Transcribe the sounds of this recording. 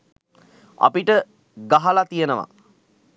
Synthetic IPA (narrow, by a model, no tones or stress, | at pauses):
a̰piʈə | ɡaɦalat̪ijənəʋa̰